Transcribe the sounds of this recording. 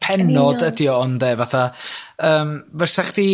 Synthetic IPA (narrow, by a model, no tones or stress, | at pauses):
pʰɛnɔdədjɔɔndɛːvaθaəːmvərsɛχd̥i